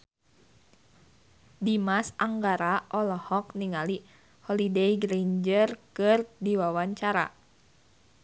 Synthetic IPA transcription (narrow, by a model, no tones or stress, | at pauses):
dimasaŋɡaɾaʔɔlɔhɔk̚niŋali | hɔlidejɡɾeɲd͡ʒərkɨrdiwawaɲt͡ʃaɾa̰